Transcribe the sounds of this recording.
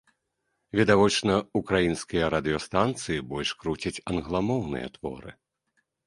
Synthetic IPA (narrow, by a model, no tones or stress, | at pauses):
vʲid̪avɔt͡ʂnɐukɾajinskʲijɐɾɐd̪ɨjɔst̪ant̪sɨjibɔlʲʂkɾut͡sʲɐt͡sʲɐnɣlˠamɔwnɨ̰jɐ̰t̪v̥ɔ̰ɾɨ̰